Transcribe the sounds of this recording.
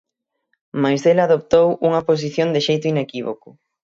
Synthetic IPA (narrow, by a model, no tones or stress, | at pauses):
majzðelaðop̚t̪owuŋɐpos̬iθjond̪ɪʃejt̪ʊinekiβo̰kʊ